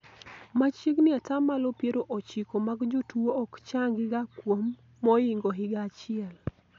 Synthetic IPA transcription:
mat͡ʃiknɪatamalopjeɾoʔot͡ʃikomaɡd͡ʒotuoɔkt͡ʃaŋɡɪɡakwomː | ɔɪŋɡoɦɪɡat͡ʃɪɛl

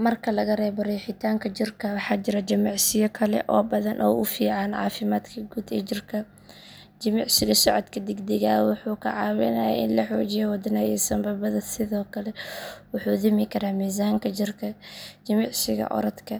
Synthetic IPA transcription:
mɐrkʰɐlɐɣɐrɛːbɐɾɛːħɪt̪ʰaːŋkʰɐt͡ʃɪrkʰɐwɑħɑːt͡ʃɪɾɐd͡ʒɐmɑʕsɪjɔkʰɐlɛ̰ʔɔːbɐðɐnʔɔ̰ːʔʊfiːʕɑnʕɑ̰ːfɪmaːd̪kʰɐɡuːd̪ɛt͡ʃɪrkʰɐ | d͡ʒɐmɪʕsɪɣɐsɔʕɔd̪kʰɐd̪ɛɡd̪ɛɣaːwʊħuːkʰɐʕɑːwɛ̰nɐjɐ̰ʔɪnlɐħoːd͡ʒɪjɛwɐd̪ɐnaɛ̰ːsɐmbɐbɐðɐsɪðɔːkʰɐlɛwʊħuːd̪ɪmɪkʰɐɾaːmiːzaːŋkʰɐd͡ʒɪrkʰɐd͡ʒɐmɑʕsɪɣɐ̰ʔɔ̰ɾɐd̪kʰɐ

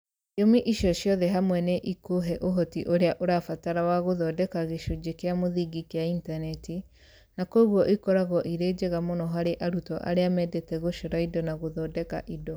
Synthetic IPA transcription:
omiʔiʃjɔʃjɔðɛɦamwɛneʔikoɦɛʔoɦɔtiʔoɾeaʔoɾafataɾawaɣoðɔdɛkaɣeʃod͡ʒekeamoðiɡikeaintanɛti | nakoɣwɔʔikɔɾaɣɔʔiɾed͡ʑeɣamonɔɦaɾeʔaɾutɔʔa̰ɾeamɛdɛtɛɣoʃɔɾaidɔnaɣoðɔdɛka̰ʔidɔ

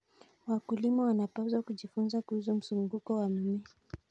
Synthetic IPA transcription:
wakulimawanapazwakuʄifunzakuhus̬um̩suŋɡukɔwam̩mi

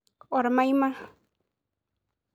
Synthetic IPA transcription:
waɾmajmaχ

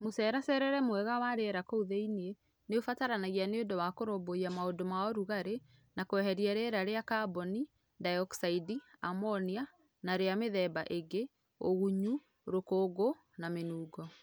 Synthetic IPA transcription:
mosɛːɾasɛɾɛɾɛmwɛɣawaɾeɛɾakouðeinie | neofataɾanaɣianeodɔwakoɾoboiamaodomaɔɾuɣaɾe | nakoɛɦɛɾiaɾeɾaɾeakabɔni | dajɔksaidiamɔnia | naɾeameðɛbaʔeɡe | oɣuɲu | ɾokoɡo | namenuːɡɔ

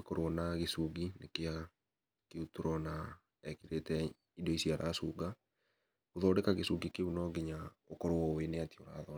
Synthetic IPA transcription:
ekoɾwɔnaɣesuɡinekea | keutoɾɔna | ɛkiɾetɛ | idɔisiaɾʔa̰ːsuɡa | oðɔːdɛkaɣesuɡikeunɔɡeɲa | okɔɾwɔweneatioɾa̰ːðɔ

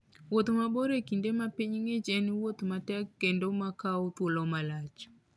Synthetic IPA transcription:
wot̪maboɾekindemapiɲŋet͡ʃɛnwot̪matɛkːendomakaot̪wolɔmalat͡ʃ

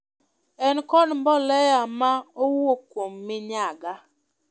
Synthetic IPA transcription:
ɛnkɔdmbɔlɛjamaowokwomːɪɲaɡa

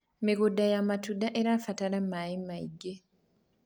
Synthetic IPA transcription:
miɡodːajamatudaʔeɾaːfatalamːajimːaiɡːe

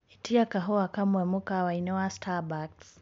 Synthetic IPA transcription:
itiakaɦɔakamwɛmukawainɔwastʰabaks

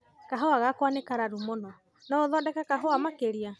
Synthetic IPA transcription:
kaɦoaɣakwanekaɾaɾumonɔ | nɔoðɔːdɛkakaɦoamakeɾia

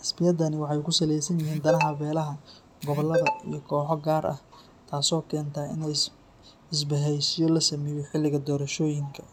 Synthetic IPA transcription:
ʔɑsbɪjɐd̪ɐnɪwɑħɑjkʰʊsɐlɛjsɐnjɪɦiːnd̪ɐnɐɦɐbɛːlɐɦɐ | ɡɔβɔlːɐðɐḭjɔkʰɔːħɔɡaːɾʔɐ̰h | t̪ʰaːsɔːkʰɛːnt̪ʰɐːɪ̰nɛj | ɪs̬bɐɦɛjʃɪjɔlɐsɐmɛjɔħɪlːɪɣɐd̪ɔːɾɐʃɔːjɪŋkʰɐ̥

